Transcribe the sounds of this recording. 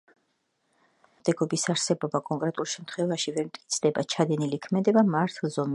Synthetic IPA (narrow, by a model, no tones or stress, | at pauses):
d̪̥ɛɡɔbisaɾsɛbɔbakʼɔŋkʼɾɛt̪ʼulˠʃɛmt̪ʰχwɛvaʃivɛɾmt̪ʼkʼit̪sʰd̪ɛbat͡ʃʰad̪ɛnilikʰmɛd̪ɛbamaɾt̪ʰlˠzɔm